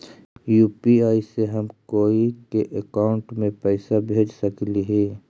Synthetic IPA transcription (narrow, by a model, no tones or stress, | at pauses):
juːpiaːiseɦəmkoːikeʔəkaːʊɳʈmẽpɛɪsabʱeːd͡ʒsəkliɦɛː